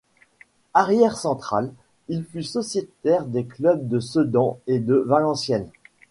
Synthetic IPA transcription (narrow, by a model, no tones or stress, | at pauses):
aʁjɛʁsɑ̃t̪χal | ilfysɔsjet̪ɛʁd̪eklœb̚d̪əsəd̪ɑ̃ed̪əvalɑ̃sjɛn